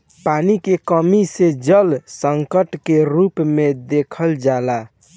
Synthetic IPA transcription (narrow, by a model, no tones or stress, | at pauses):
panikekəmised͡ʒəlsəŋkəʈkeɾupmed̪ekʰəld͡ʒala